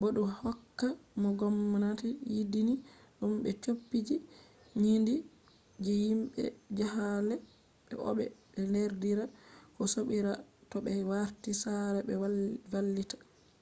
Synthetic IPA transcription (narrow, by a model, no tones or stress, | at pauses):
boɗuhɔkːamɔɡɔmːnatɛjidiniɗumɓɛt͡ʃopːid͡ʒi | ɲindi | d͡ʒɛjimɓɛ̰d͡ʒahalɛ | ɓɛ̰ʔɔ̰ɓɛɓɛneɾdiɾakɔsoɓiɾatɔɓɛwaɾtisaɾɛɓɛwavalːitḁ